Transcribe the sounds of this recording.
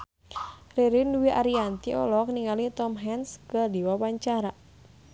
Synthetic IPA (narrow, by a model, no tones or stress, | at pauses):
riɾinduwiʔaɾiant̪iɔ̰lɔk̚niŋalit̪ɔmɦɛnskədiwawaɲt͡ʃaɾa